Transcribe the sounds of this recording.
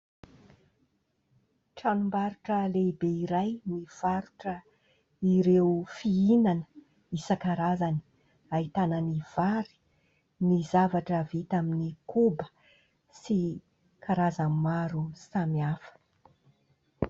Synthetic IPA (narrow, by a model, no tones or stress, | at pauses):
ʈ͡ʂanumbaɾuʈ͡ʂəlebeiɾajniv̥aɾuʈ͡ʂə | iɾewfiinanə̥ | isəkaɾazani̥ | aɦit̪ananiv̥aɾi̥ | nizavaʈ͡ʂəvit̪aminikubə̥ | si | kʰaɾazammaɾusamiafə̥